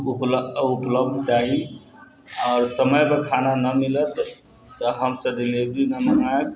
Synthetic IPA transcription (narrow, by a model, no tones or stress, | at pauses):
upupləbd̪ʱt͡ʃaɦi | ɔːɾsəməjpekʰananəmilət̪ː | əɦəmsəbd̪ilibɾinəmənaek